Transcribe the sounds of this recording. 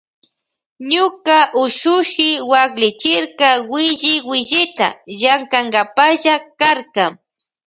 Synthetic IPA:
ɲʊkaʔʊʃʊʃɪwaklɪt͡ʃɪɾkawɪʒɪwɪʒɪt̪a̰ʒaŋkaŋɡapaʒakaɾkaŋ

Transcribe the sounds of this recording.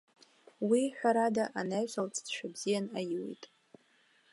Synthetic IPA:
wiħʷᶣaɾadaʔanajʃʷalt͡sʰʼt͡sʰʃᶣabzijanajwḛjtʼ

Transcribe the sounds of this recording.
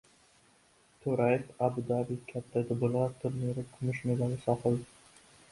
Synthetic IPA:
t̪ʰoɾajɪpabʊd̪abikʲʰat̪ʰːad̪ʊbʊlˠʁɑt̪ʰʊɾneɾɪkʰʊmɪʃmeɡ̪ʲalɪsɒqɨld̪ɪ

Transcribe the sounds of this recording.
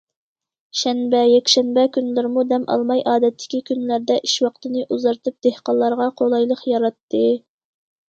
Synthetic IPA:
ʃɛnbɛjɛkʲʃɛnbɛkʲynlɪɾmud̪ɛmʔɑ̰lˠmɑjʔɑːd̪ɛt̪ʰːɪ̥kʲikʲʰynlæɾd̪ɛʔiʃwɑqt̪ɨnɨʔuzɑɾt̪ʰɨp̚d̪̥ehqɑlˠːɑɾʁɑqʰolˠɑjlˠəqjɑɾɑt̪ːɨ

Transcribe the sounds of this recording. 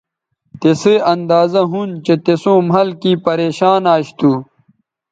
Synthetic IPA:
t̪eseɐnd̪aːzɐɦunt͡ɕet̪esõːmɦɐlkipɐɾeːɕaːnaːɕt̪uː

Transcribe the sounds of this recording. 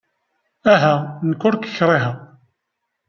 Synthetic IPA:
æɦænəkːʊɾkə̥çɾˤeɦæ

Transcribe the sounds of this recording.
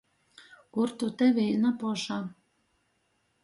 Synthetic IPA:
kurt̪ut̪ĕβejnɑpoʃɑ

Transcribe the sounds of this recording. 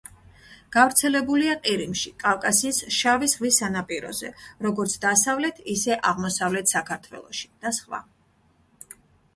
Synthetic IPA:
ɡ̥avɾt̪sʰɛlɛbuliaqʼiɾimʃikʼalˠkʼasiːsʃavisʁwisanapʼiɾɔ̰zɛ̰ɾɔɡɔɾt̪sʰd̪asavlɛt̪ʰisɛʔaʁmɔsavlɛt̪ʰsakʰaɾt̪ʰvɛ̰lˠɔ̰ʃi̥d̪̥asχwa̰

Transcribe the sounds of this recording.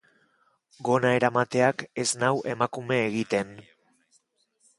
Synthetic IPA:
ɡo̞nae̞ɾamat̪e̞ake̞znawʔe̞makume̞ːɣ̞it̪e̞n

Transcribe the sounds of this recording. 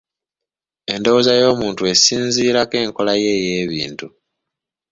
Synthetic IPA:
e̞ndo̞wozajo̞ːmuːntue̞siːnziːɾake̞ːŋko̞laje̞je̞ːβḭːntu

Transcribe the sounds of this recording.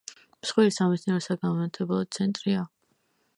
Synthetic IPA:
msχwilisamisnɛɾɔsaɡamnat̪ʰɛblɔt̪sʰɛnt̪ʼɾia

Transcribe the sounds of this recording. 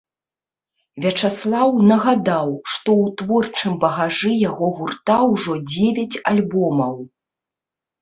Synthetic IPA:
vʲɛt͡ʂaslˠawnɐɣad̪awʂt̪ɔwt̪vɔrt͡ʂɨmbɐɣaʐɨjaɣɔɣurt̪awʐɔd͡zʲevʲat͡sʲalʲbɔmɐw

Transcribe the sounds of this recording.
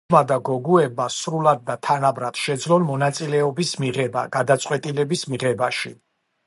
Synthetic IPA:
mad̪aɡɔɡuɛbmasɾulad̪̚ːat̪ʰanabɾat̪ʃɛd̪zlɔnmɔnat̪sʼilɛɔbismiʁɛba̰ɡ̥ad̪at̪sʼqʼwɛt̪ʼilɛbismiʁɛbaʃi

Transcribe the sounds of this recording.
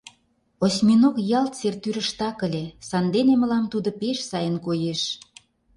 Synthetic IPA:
osʲmʲinokjɑlt̪sert̪yɾəʃt̪ɑkə̆lʲesɑnd̪enemə̆lɑmt̪ud̪ŏpeʃsɑjənkojeʃ

